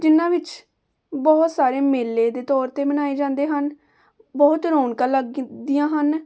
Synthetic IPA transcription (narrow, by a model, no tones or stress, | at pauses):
d͡ʒɪnãːʋɪt͡ʃ | bɔːt̪saːɾeːmeːlːeːd̪eːt̪ɔːɾt̪eːbənaːeːd͡ʒãːnd̪eːɦən | bɔːt̪ɾoːɳkəlːəɡd̪ijãːɦən